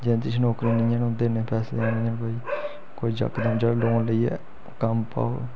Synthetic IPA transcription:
d͡ʒẽːt̪ɪt͡ʃʰnoːkɾiːnɪ̃jãːnũːd̪eːneːpʰɛːsleãːnɪ̃ːãːnbaːiː | koːid͡ʒə̰kd̪əmd͡ʒaːloːnləiːɛ̰ː | kəmpa̰ːo

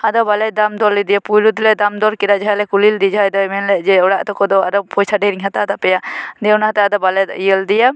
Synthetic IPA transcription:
ad̪ɔbalɛd̪amd̪ɔlːid̪ijapujɾud̪lɛd̪amd̪ɔɾkiɾad͡ʒaɦajlɛkulild̪id͡ʒajd̪ɔɛmɛnlɛd͡ʒɛɔɽaʔt̪ɔkɔd̪ɔad̪ɔpɔjsʰaɖɛɾiŋɦat̪ad̪apɛjad̪ɛwnaɦat̪ad̪ɔbalɛd̪ijəld̪ija

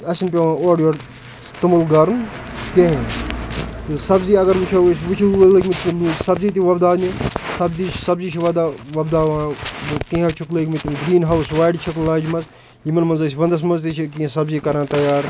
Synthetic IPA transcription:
ɐsinpeʋãːoːɖjoːɽ | t̪ɐmulɡɐɾnkeɦẽ | t̪ɨsɐbziːɐɡɐɾʋut͡ʃʰosʋut͡ʃʰuʋlekʲmit̪ʲilusɐbziːt̪iʋɐbd̪aːnisɐbziːt͡ʃʰsɐbziːt͡ʃʰiʋɐd̪aːʋɐbd̪aːʋãːkĩãt͡ʃʰukleːkʲmit̪inɡɾiːnɦɐwsʋaːjɖt͡ʃʰɐklaːd͡ʒmɐz | jimɐnmɐnzɐːsʲʋɐnd̪ɐs̬mɐnzt̪it͡ʃʰikĩsɐbziːkɐɾãːt̪ɐjaːɾ

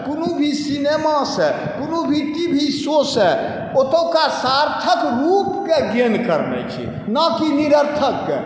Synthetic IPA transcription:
punubʱisinemasɛ | punubʱiʈibʱisosɛ | ot̪okasaɾt̪ʰəkɾupkeɡenkəɾnɛ̰t͡ʃʰḭ | nakiniɾəɾt̪ʰəkːe

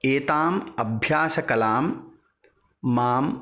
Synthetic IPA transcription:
eːt̪aːmɐbʱjaːsɐkɐlaːm | aːm

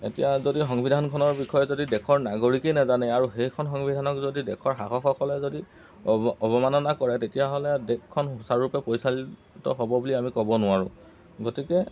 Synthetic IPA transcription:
ḛtijazodixɔŋbidʱankʰɔnɔɹbixʰɔjɛzodidɛkʰɔɹnaɡoɹikejnɛzanɛaɹuxejkʰɔnxɔŋbidʱanɔkzodidɛkʰɔɹɦaxɔxɔkɔlɛzodi | ɔbɔmanɔnakɔɹɛtetijaɦolɛdɛkʰːɔnɦusaɹːupɛpojsali | tɔɦɔbɔbuliamikɔbɔnʊaɹʊ̰̃ | ɡotikɛ

